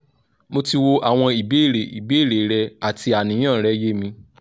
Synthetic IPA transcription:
mo˧ti˧wo˧ʔa˨w̃ɔ̃˧i˨be˨˦˨ɾe˨i˨be˨˦i˦˨ɾe˨˦ɾɛ˧a˨ti˧a˨nĩ˨˦ã˦˨ɾɛ˨˦je˦mĩ˧

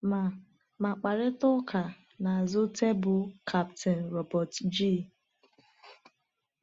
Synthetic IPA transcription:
ma˨ | ma˨k͡pa˨ɾɪ˦tʊ˦kʰa˨ | na˨a˨zʊ˦tʰe˦bʊ˨kʰa˦ptʰe˨n̩˨ɾɔ˨bɔ˨td͡ʒi˦˨

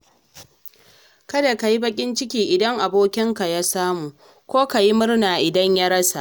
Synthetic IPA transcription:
kɐ˦da˨ka˨ji˦bɐ˦kʲʼɪ˦nt͡ʃɪ˦kʲiː˨ʔɪ˨dɐ˦ŋʔa˨boː˦kʲɪ˦ŋka˨ja˦saː˦muː˨ | kʷoː˦ka˨ji˦mʊ˦rnaː˨ʔɪ˨dɐ˦ɲja˦ɽɐ˦sa̰˨ʔ

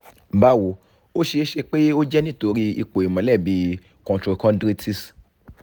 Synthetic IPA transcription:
ba˦wo˨˧˨ | o˦ʃe˧˦ʃe˧k͡pe˦o˦d͡ʒɛ˦nĩ˦˨to˧ɾi˧i˧k͡po˨i˨mɔ̃˨˦lɛ˦˨bi˨˦ | kɔ̃˨tɾo˨kɔ̃˦dɾi˦tʰi˦s

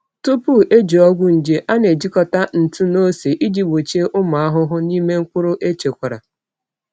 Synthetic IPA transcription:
tu˦pu˦e˦d͡ʒi˨ɔ˦ɡʷʊ˦n̩˨d͡ʒe˨ʔa˦ne˨d͡ʒi˦kɔ˦ta˦n̩˨tu˦no˦se˨ʔi˦d͡ʒi˦bo˨t͡ʃe˦ʔʊ˦ma˨a˦ɦʊ˦ɦʊ˦ni˦me˦ŋ̩˦kʷʊ˦ɾʊ˦ʔe˦t͡ʃe˨kʷa˨ɾa̰˨

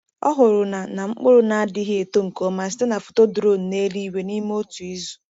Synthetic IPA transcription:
ɔ̰˦ɦʊ˨ɾʊ˨na˨na˨ŋ͡m̩˦k͡pʊ˦ɾʊ˦na˨a˦dɪ˦ɦɪ˦e˨to˦ŋ̩˨ko˨˦ma˨sɪ̥˦te˦na˨fʊ̥˨to˦dʊ˨ɾo˦n̩˨ne˦ɾi˦we˨ni˦m˦o˦tu˨i˦zu˨

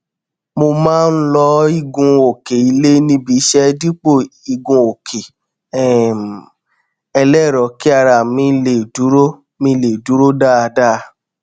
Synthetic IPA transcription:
mo˧mãː˦˧n̩˦lɔ˧˦i˦˧˨ɡũ˨˧o˨ke˨i˧le˦nĩ˧˦bi˧˦ʃɛ˦di˦k͡po˦˨i˧˨ɡũ˧o˨kʰe˨ | ɛ˨ | ɛ˧lɛ˦˨ɾɔ˨ki˦a˦˧ɾa˨mĩ˧˦˧le˨du˨˦ɾo˦ | mĩ˧le˨du˨˦ɾo˦da˦a˧da˦˧

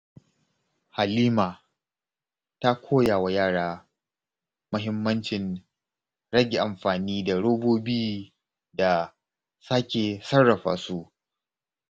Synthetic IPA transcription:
ha˨liː˦maː˨ | ta˦kʷʰoː˦jaː˨wa˨jaː˦˨ɽaː˦ | mʊ˦ɦɪ˦mːɐ˦nt͡ʃɪ˨n | ɽɐ˦ɡʲe˨ʔa˨mɸaː˨niː˦da˨ɽoː˦boː˦biː˦ | da˨ | saː˦kʲeː˨sɐ˦rːɐ˨ɸa̰ː˨su˦ʔ

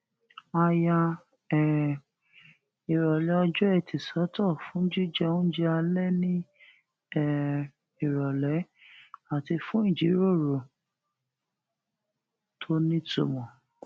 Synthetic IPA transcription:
a˧ja˧ | ɛ˨ | i˨ɾɔ˨lɛ˨˦ɔ˧d͡ʒɔ˦ɛ˦˨tʰi˨sɔ˨˦tɔ˦˨fũ˨˦d͡ʒi˦d͡ʒɛ˦ũ˦d͡ʒɛ˦a˧lɛ˦nĩ˦ | ɛ˦˨ | i˨ɾɔ˨lɛ˨˦ | a˨ti˧fũ˦i˦˨d͡ʒi˨˦ɾo˦˨ɾo˨ | tʰo˦nĩ˦to̰˨mɔ̃˨

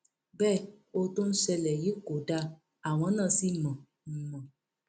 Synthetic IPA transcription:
bɛ˦˨o˧to˦n̩˦sɛ˧lɛ˨ji˨˦ko˨da˧˦ | a˨w̃ɔ̃˨˦nãː˦˨si˦mɔ̃˨ | m̩˨mɔ̃˨

